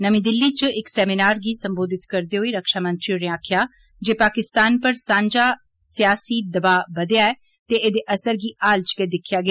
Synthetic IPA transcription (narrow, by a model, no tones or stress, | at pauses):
nəmĩːd̪ɪlːiːt͡ʃɪksɛːminaːɾɡiːsəmboːd̪ɪt̪kəɾd̪eːɦoiːɾəkʃaːmə̃nt̪ɾiɾɪãːkʰjaː | d͡ʒeːpaːkɪst̪aːnpəɾsãːɲd͡ʒaː | sɪjaːsiːd̪əbaːbəd̪ejaːɛː | t̪eːʔeːd̪eːʔəsəɾɡiːʔaːlt͡ʃkeːd̪ɪkʰɪjaːɡɪaː